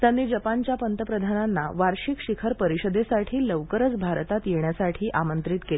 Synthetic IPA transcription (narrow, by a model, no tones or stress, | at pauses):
t̪janːiːd͡ʑəpant͡ɕjapənt̪əpɾəd̪ʱananːa̰ʋaɾɕikɕikʰəɾpəɾiɕəd̪esaʈʰiːləʋkəɾət͡sbʱaɾt̪at̪jeɳjasaʈʰiːʔamənt̪ɾit̪keli